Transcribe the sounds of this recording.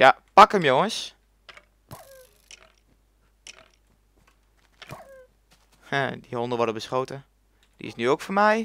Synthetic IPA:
japakəmjoŋəs | hɛdihɔndəʋɔrdəbəsχoːtə | d̥ḭɪ̰snyoːkfɔmɛj

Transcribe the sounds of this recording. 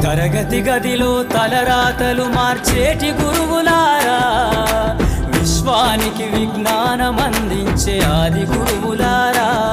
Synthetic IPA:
t̪ɐɾɐɡɐt̪iɡɐd̪iloːt̪ɐlɐɾaːt̪ɐlumaːɾt͡ʃeːʈiɡuɾuʋulaːɾaː | ʋiʃʋaːnikiʋiɡnaːnɐmɐnd̪iɲt͡ʃeaːd̪iɡuɾuʋulaːɾa

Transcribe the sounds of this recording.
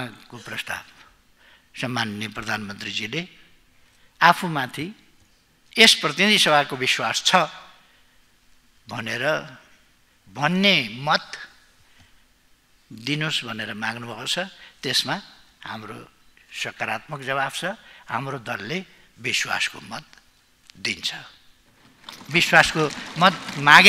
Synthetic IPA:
akoprʌst̪a̰b | sʌmːanjʌprʌd̪ʱanmʌnt̪rid͡zile | apʰumãt̪ʰi | esprʌt̪inid̪ʱisʌbʱakobiswast͡sʰʌ | bʱʌneɾʌ | bʱʌnːemʌt̪ | d̪inosbʱʌneɾʌmaɡnubʱʌkot͡sʰʌt̪esma | ha̰mro̰sʌkaɾat̪̚mʌk̚d͡zʌβabt͡sʰʌha̰mrod̪ʌlːebiswa̰sko̰mʌt̪̚ | d̪int͡sʰʌ̥ | biswaskomʌt̪̚maɡ

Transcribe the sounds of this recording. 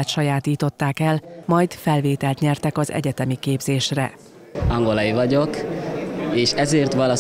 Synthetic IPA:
t̪ʃɒjaːt̪iːt̪o̞t̪ːaːkɛlmɒjt̪fɛlveːt̪ɛlt̪ɲɛrt̪ɛkɒzɛ̰ɟɛt̪ɛmikeːbzeːʃrɛ̰ | ɒŋɡolɒjivɒɟok | eːʃɛzeːrt̪ʋɒlɒ

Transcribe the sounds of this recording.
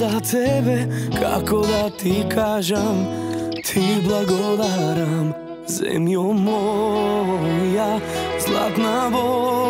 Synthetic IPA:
at̪ɛbɛkʰa̰kɔʋat̪ikʰaːʒamt̪ʰiblaɡɔd̪aɾam | zɛ̰mjɔmɔ | jazla̰t̪nabɔ

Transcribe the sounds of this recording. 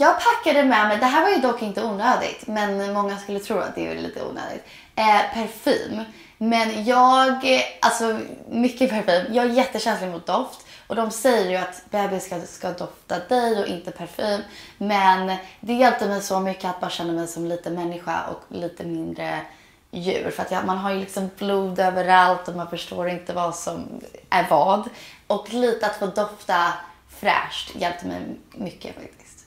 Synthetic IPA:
jɑːɡ̚pʰakːad̪əmɛmɛjd̪ɛɦæːɾvaɾjɵd̪ɔkːɪnt̪əuːnøːd̪ɪ̰ɡt̪mɛnmɔŋːaskɵlːət̪ʰɾuːa̰d̪ɛ̰ɛ̰lḭːt̪ə̰ṵːnø̰ːd̪ɪ̰t̪ː | pʰæɾfy̰ːmː | ɛnjɑːɡʔalsɔmʏkːəpʰæɾfyːmjɑːɡæɾjɛt̪ːəɕɛnslɪɡmʊt̪̚d̪ɔft̪ʔɔd̪ɔmsɛjːəɾjɵat̪bɛːbɪskaskad̪ɔft̪ad̪ɛjɔʔɪnt̪əpʰæɾfyːmːɛnd̪ɛjɛlp̪̚ːəɾmɛjsɔmʏkːəat̪̚bɑːɾaɕɛnːəmɛjsɔmliːt̪əmɛnːɪɧa̰ʔɔ̰kliːt̪əmɪnd̪ɾə | jʉ̟̰ːɾfœɾat̪jɑmanɦaɾjlɪksɔmbluːd̪øːvəɾalt̪ɔmanfœʂʈoːɾɪnt̪əvasɔmʔæɾvɑːd̪ʔɔkliːt̪əat̪foːd̪ɔft̪a | fɾæ̰ːʂʈjɛlp̚t̪əmɛ̰jmʏkʰːə̰fa̰k̚t̪ɪ̥st̪

